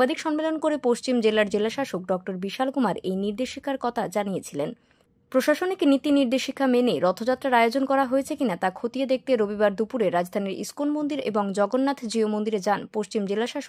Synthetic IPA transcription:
ad̪ʱikʃɔmmelonkoɾepoʃt͡ɕimd͡ʑelaɾd͡ʑelaʃaʃok̚ɖɔk̚ʈoɾbiʃalɡumaɾejniɾd̪eʃikʰaɾkɔt̪ʰad͡ʑanijet͡ɕʰilen | pɾoʃaʃoniknit̪iniɾd̪eʃikʰameneɾɔt̪ʰod͡ʑat̪ːɾaɾajod͡ʑonkɔɾaɦoet͡ɕʰekinat̪akʰot̪ied̪ek̚t̪eɾobibaɾd̪upuɾeɾad͡ʑd̪ʱaniɾḭskonmond̪iɾḛboŋd͡ʑɔɡonːat̪ʰd͡ʑɾiomond̪iɾed͡ʑanpoʃt͡ɕimd͡ʑelaʃaʃo

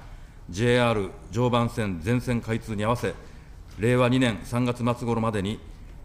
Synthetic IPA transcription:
d͡ʑe̞ːaːɾɯ̟d͡ʑo̞ːbãɰ̃sẽ̞nd͡zẽ̞ɰ̃sẽ̞ŋkait͡sɨːɲ̟iaβase̞ | ɾe̞ːβaɲ̟inẽ̞ɰ̃sãŋɡat͡sɨmat͡sɨɡo̞ɾo̞mad̪e̞ɲ̟i

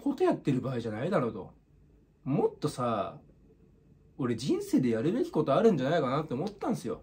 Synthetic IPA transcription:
ko̞t̪ojat̪ːeɾɯ̟baːiʑanaid̪aɾo̞t̪o̞̰ | mo̞t̪ːo̞sa | o̞ɾe̞d͡ʑĩɰ̃se̞ːd̪e̞jaɾɯ̟be̞kʲi̥ko̞t̪o̞aɾɯ̟̃ɲ̟d͡ʑanaikanat̪ːeomo̞t̪ːãɰ̃sɨjo̞̰

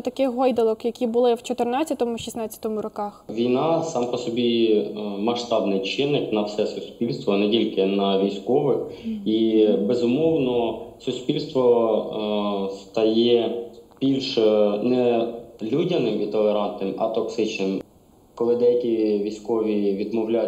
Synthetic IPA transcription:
t̪ɐkɪxɦɔjd̪ɐlˠɔkjɐkʲibʊlˠɪwt͡ʃɔt̪ɪrnɑt͡sʲːɐt̪ɔmʊʃʲisnɑt͡sʲːɐ̥t̪ɔmʊɾɔkɑxʋʲijnɑsɑmpɔsɔbʲi | mɐʃt̪ɑbnɪjt͡ʃɪnɪknɐwsɛsʊspʲilʲst̪ʋɔnɛtʲilʲkɪnɐʋʲijsʲkɔʋɪxibezʊmɔwnɔsʊspʲilʲst̪ʋɔ | st̪ɐjɛbʲilʲʃnɛlʲudʲɐnɪmʲit̪ɔlˠeɾɑnt̪nɪmɐ̰t̪ɔksɪt͡ʃnɪm | kɔlˠɪd̪ɛjɐkʲiʋʲijsʲkɔʋʲiʋʲid̪mɔwlʲa

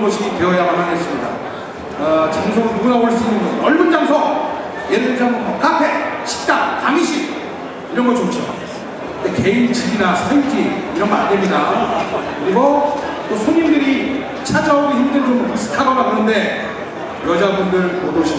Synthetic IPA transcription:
ɡʌɕʰiɡiteʌjamamanes͈ɯmɲida̰ | t͡ɕamsʰoɡɯnnuɡunaoɭs͈uinɯnɡʌɯʌɭbɯnd͡ʑamsʰʌ | jeɾdɯd͡ʑʰamʰoʌk͈apʰe̞ɕʰi̥k̚t͈aŋtaŋiɕʰik | iɾʌnɡʌt͡ɕot͡ɕʰo̰ | deke̞int͡ɕiɡinasʰajid͡ʑiiɾʌnɡʌandemɲida | kɯɾiɡo | t͈osʰoŋimdɯɾi | t͡ɕʰad͡ʑaoɡiçimdɯɭompisʰɯ̥tʰaɡaɡaɡunɯnde̞ | jʌd͡ʑabundɯɭpodoɕʰi

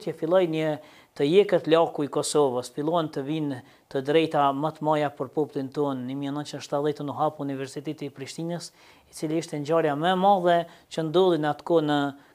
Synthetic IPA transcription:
t̪jɛfilˠɔjnə | t̪əjɛkət̪lakuikɔsɔvəsfilˠɔɛnt̪əvin | t̪əd̪ɾɛjt̪amət̪majapəɾpɔplˠint̪ɔnːəmiɛnə̃nt͡ʃind̪əʃt̪at̪ðɛt̪nuɦapuunivɛɾsit̪ɛt̪ipɾiʃt̪inəs | it͡siliiʃt̪ɛɲd͡ʑaɾjamɛmaðɛt͡ɕənd̪ɔlˠinat̪kɔnə

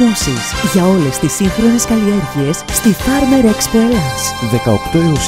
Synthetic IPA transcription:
osḭsʝɐo̞le̞st̪isiŋxɾo̞neskɐlieɾʝie̞sːt̪ifɐɾmɐɾoekspolɐsðekɐo̰kt̪omus

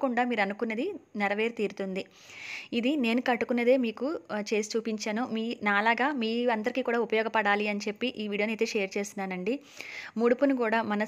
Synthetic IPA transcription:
kuɳɖaːmiːɾɐnukuneːd̪inɛɾɐʋe̞ːɾt̪iːɾut̪und̪i | id̪ine̞ːnukɐʈːukuneːd̪e̞ːmiːkut͡ʃe̞ːsi̥t͡ʃuːpiɲt͡ʃaːnumiːnaːlaːɡaːmiːɐnd̪ɐɾikiːkuːɽaːupɐjɔːɡɐpɐɽaːliɐnit͡ʃe̞pːiʔiːʋiːɽijoːnejt̪eːʂeːɐɾt͡ʃe̞ːst̪unːaːnɐɳɖi | muɽupunukuːɽaːmɐnɐ

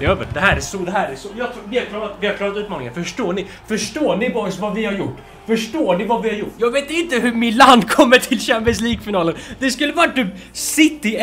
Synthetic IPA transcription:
ɛøːvə̰ʈd̪ɛɦæːɾsɔd̪ɛɦæːɾɛsɔjɑːɡt̪ʰːvɪhaɾkʰlɑːɾat̪vɪhaɾkʰlɑːɾat̪ʉ̟t̪mɑːnɪŋə̰nfœʂʈoːɳɪ | fœʂʈoːɳɪbɑɾəsvavɪhaɾjʊʈː | fœʂʈoːɳɪvavɪhaɾjʊʈːjɑːɡveːt̪ɪnt̪əɦɵmɪt̪land̪kʰɔmːəʈʰɪlɕɛmpɛnsliːɡfɪnɑːlənd̪ɛskɵlːəvaʈ̚ːt̪yːpsɪt̪ːɪ

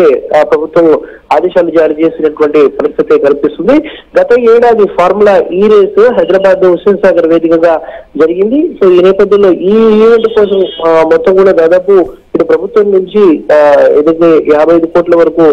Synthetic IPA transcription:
eːpɾɐbʱut̪ʋɐm | aːd̪ɛːʃaːlud͡ʒaːɾiːt͡ʃe̞ːsinɐʈuʋɐɳʈipɐɾist̪ʰit̪ekɐlipist̪und̪iɡɐt̪ɐeːɽaːd̪ipʰaːɾmulaʔiːɾeːsɦɐjd̪ɾɐbaːd̪usinɐsaːɡɐɾʋe̞ːd̪ikɐŋɡaːd͡ʒɐɾiɡind̪iso̞ːiːnɛːpɐd̪jɐnlo̞ːʔiːiːʋeɳʈkɔːsɐmmɔt̪ːɐmkuːɽaːd̪aːd̪aːpu | iʈupɾɐbʱut̪ʋɐmnuɲt͡ʃiḛːd̪ɐkeːaːbʱɐjɐd̪ukoːʈlɐʋɐɾɐkuː

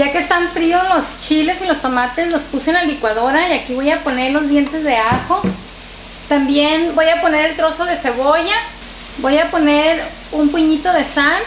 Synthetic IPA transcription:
ʝakeːst̪aɱfɾiolost͡ʃile̞silost̪omat̪e̞snospusenalikwað̞o̞ɾaiakiβo̞japo̞ne̞ɾlo̞zβje̞nt̪e̞zðe̞axo̞ | t̪ambjenbo̞japone̞ɾelt̪ɾo̞so̞ðe̞se̞βo̞ʝa | bojapo̞neɾ | umpuɲit̪o̞ðe̞san

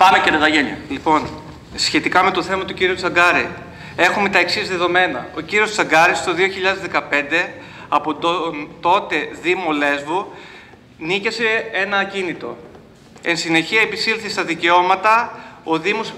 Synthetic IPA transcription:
pɐmeceɾeðɐʝeniɐ̰lipo̞n | sçe̞t̪ikɐme̞t̪o̞θe̞mɐt̪uciɾiut͡sɐɡɐɾi | e̞xume̞t̪ɐeksizðe̞ðo̞me̞nɐ̰o̞ciɾio̞st͡sɐɡɐɾist̪oðioçiʎɐðe̞zðekɐpe̞nd̪e̞ | ɐpont̪o̞t̪e̞ðimo̞le̞zvu | nice̞se̞e̞nɐːcinit̪o̞̰ | e̞nsine̞çiɐepisilθist̪ɐðice̞o̞mɐt̪ɐo̞ðimo̞s

